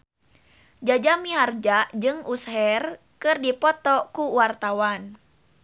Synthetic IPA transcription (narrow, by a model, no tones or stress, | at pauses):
d͡ʒad͡ʒamiɦard͡ʒaʔd͡ʒɨŋusɦɛr | kɨrdipɔt̪ɔkuwart̪awan